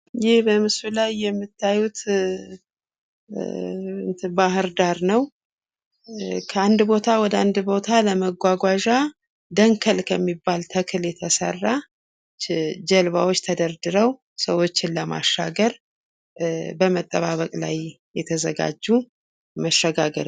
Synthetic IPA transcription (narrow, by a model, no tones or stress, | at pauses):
jɪhbəmɨsulajːɛmːɨt̪ʰːajut̪ | ɨnt̪ʰɨbaɦɨɾd̪aɾnəw | kʰəand̪bo̞t̪ʰawɔd̪əand̪bo̞t̪ʰaləməɡʷaɡʷaʒa | d̪əŋkʰəlkʰəmːibːalt̪ʰəkʰɨljɛt̪ʰəsə̰rːa | d͡ʒəlβawo̞t͡ʃːt̪ʰəd̪əɾd̪ɨɾəw | səwo̞t͡ʃːɪnləma̰ʃːaɡəɾ | bəmət̪ʼːəβaβəkʼla̰j | jɛt̪ʰəzəɡa̰d͡ʒːu | məʃːəɡaɡəɾ